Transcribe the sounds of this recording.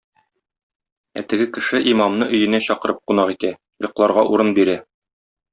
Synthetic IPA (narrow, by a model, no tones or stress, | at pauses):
æ̰t̪ɘ̆ɡɘkɘ̆ʃɘʔimɑmnɤʔɵ̆jɘ̆næɕɒqɤ̆ɾʔɤp̚qunɑqit̪æ | jŏqlˠɑɾʁɑʔuɾɤnbiɾæ